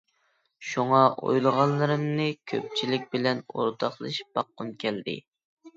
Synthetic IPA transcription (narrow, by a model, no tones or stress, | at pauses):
ʃuŋɑʔo̰jlˠəʁɑlˠːɨɾɨmnɨkʲʰø̰p̚t͡ʃʰilɪk̚ʲbɪlɛno̰ɾt̪ʰɑχlˠɨʃb̥ɑqːʊnkʲʰɛld̪ɪ̰